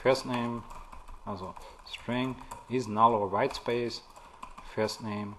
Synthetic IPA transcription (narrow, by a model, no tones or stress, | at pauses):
fɛsnẽɪ̃m | asostʰɹɪ̃ŋɪznaɾoəɹaɪtspeɪs | fɛsnẽɪ̃m